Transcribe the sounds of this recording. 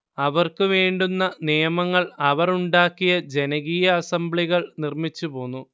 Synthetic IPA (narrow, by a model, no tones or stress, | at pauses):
ɐʋɐrkɨʋeːɳɖunːɐnijɐmɐŋːɐɭɐʋɐruɳɖaːkːijɐd͡ʑe̞nɐɣijɐːsɐmbɭiɣɐɭnirmit͡ɕːupo̞ːnːu